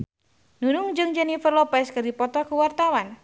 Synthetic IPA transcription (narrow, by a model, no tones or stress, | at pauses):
nunʊŋd͡ʒɨŋd͡ʒɛnifərlɔpɛskɨrdipɔt̪ɔkuwart̪awan